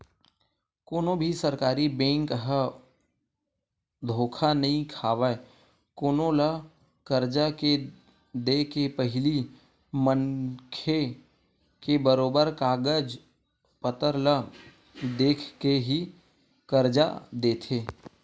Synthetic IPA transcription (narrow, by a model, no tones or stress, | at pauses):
koːnõbʱisəɾkaːɾibẽːŋkɦə | d̪ʱoːkʰanɐɦĩkʰaːʋae | koːnõlə | kəɾd͡ʒake | d̪eːkepəɦɪli | məŋkʰe | kebəɾoːbəɾkaːɡəd͡ʒ | pət̪əɾlə | d̪eːkʰkeɦi | kəɾd͡ʒa̰d̪eːt̪ʰeː